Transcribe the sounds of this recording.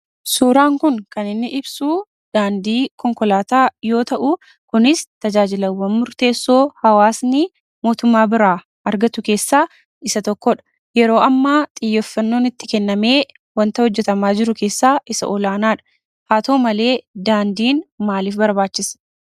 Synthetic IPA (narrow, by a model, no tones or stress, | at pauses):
suːɾaːŋkʊŋkɐnɪnːɪʔɪbsuː | d̪̥aːnd̪iːkɔŋkɔlaːt̪aːjo̞ːt̪ɐʔʊ | kʊnɪst̪ɐd͡ʒaːd͡ʒɪlɐwːɐnmʊɾt̪e̞ːsːo̞ːhɐwaːsnɪ | mo̞ːt̪ʊmːaːbɪɾaː | ɐɾɡɐt̪ʊke̞ːsːaː | ɪsɐt̪ɔkːɔᶑɐ̥ | jɛɾo̞ːʔɐmːaːt̪ʼɪjːɔfːɐnːo̞ːnɪt̪ːɪkɛnːɐme̞ː | wɐnt̪ɐhɔd͡ʒːɛt̪ɐmaːd͡ʒɪɾʊke̞ːsːaːʔɪsɐ̰ʔɔlaːnaːᶑɐ̥ | haːt̪o̞ːmɐle̞ːd̪aːnd̪iːnmaːliːfbɐɾbaːt͡ʃːɪs